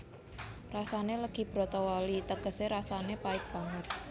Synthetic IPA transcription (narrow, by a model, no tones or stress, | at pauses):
rasaneləɡ̥i̤b̥ɾɔt̪ɔwɔlit̪əɡ̥əseɾasanepaɪk̚b̥aŋət̪̚